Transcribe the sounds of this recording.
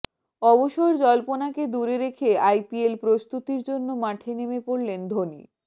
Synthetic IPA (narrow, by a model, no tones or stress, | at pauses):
ɔboʃoeɾd͡ʑɔlponaked̪uɾeɾekʰeajpielpɾost̪ut̪iɾd͡ʑonːomaʈʰenemepoɽlend̪ʱonḭ